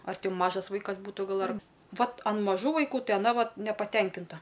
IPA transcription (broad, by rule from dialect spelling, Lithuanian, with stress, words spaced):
ɐr ˈtʲɪ ˈmɑːʒɐs ˈʋɐɪkɐs ˈbuːtʊ ˈɡɐlˠ ɐr ˈʋɐt ɐn mɐˈʒuː ʋɐɪˈkuː ˈtɐɪ ɐˈnɐ ˈʋɐt nʲɛpɐˈtʲɛŋʲkʲɪntɐ